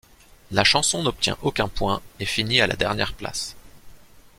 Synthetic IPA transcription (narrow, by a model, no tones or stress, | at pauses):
laʃɑ̃sɔ̃nɔp̚t̪jɛ̰̃ʔokʲɛ̃pwɛ̃efiniala̰d̪ɛʁnjɛʁpla̰s